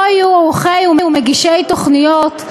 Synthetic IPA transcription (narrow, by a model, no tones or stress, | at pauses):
juauχejumeumeɡiʃejt̪oχnijot̪